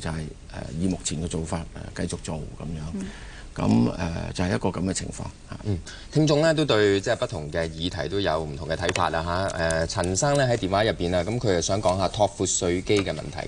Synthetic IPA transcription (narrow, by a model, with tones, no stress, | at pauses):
t͡sɐ˨hɐ˨j | ɛ̰˨jiː˨˧mʊ˨k̚t͡sʰiː˨˩nkɛː˧t͡so˨wfaː˧t̚ɛ̰˨˩kɐ˧jt͡sʊ˨k̚t͡so˨wkɐ̰˨˦mjœː˨˥ŋ | kɐ̰˨˥mɛ̰˨˩t͡sɐ˨whɐ˩jɐ˥tkɔː˧kɐ˨˥mɡɛ˧t͡sʰɪ̰˨˩ŋfɔ̰ː˧ŋha̰ː˨˩˨ | t̪ʰɪ˧ŋt͡sʊ˧ŋlɛː˥t̪o˥wt̪ɵ˧ɥt͡sɛː˥˩pɐ˥t̪̚ʰʊ˨˩ŋkɛː˧jiː˨˧t̪ʰɐ˨˩jt̪o˥wjɐ˨˧wm̩˨˩t̪ʰŋkɛ˧t̪ʰɐ˨˥jfa̰ː˧t̚laː˧ɦaː˨˥ɛ˨˧t͡sʰɐ˨˩nsaː˥ŋlɛː˥ɦɐ˨˥jt̪iː˨˩nwaː˨˥jɐ˨pːiː˨˩naː˧kɐ˨˥mkʰɵ˨˧jt͡sɐ˨wsœː˨˥ŋkɔː˨˥ŋɦaː˧t̪ʰɔː˧k̚fuː˨˧t̚sɵ˧ɥke˥jkɛː˧mɐ̰˨nt̪ʰɐ̰˨˩j